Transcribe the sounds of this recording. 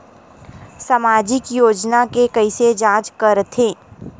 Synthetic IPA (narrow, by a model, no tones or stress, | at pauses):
samaːd͡ʒɪkjoːd͡ʒnakekɐised͡ʒãːt͡ʃkɐɾt̪ʰẽː